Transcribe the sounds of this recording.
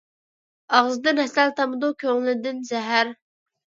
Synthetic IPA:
ɑʁzɨd̪ɨnhɛsælt̪ʰɑmɨd̪ukʲʰøŋlɪd̪ɪnzɛɦæɾ

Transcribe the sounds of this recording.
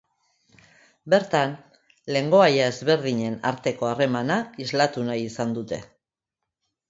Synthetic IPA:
be̞ɾt̪an | le̞ŋɡo̞ajae̞zβe̞ɾðiɲe̞na̰ɾt̪e̞ko̞are̞manaizlat̪unajisand̪ut̪e̞

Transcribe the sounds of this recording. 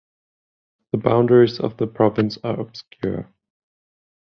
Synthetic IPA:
ðəbãʊ̃ndəɹizə̰vðəpʰɹ̥ɒvɨ̃nsəəb̥skʰjʊ̰ɹ

